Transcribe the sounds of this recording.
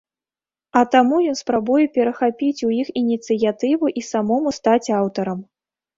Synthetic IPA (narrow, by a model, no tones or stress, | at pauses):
ɐt̪amujɔnspɾabujɛpʲɛɾɐxapʲit͡sʲujixinʲit̪sɨjat̪ɨvuʔisamɔmust̪at͡sʲawt̪ɐɾɐm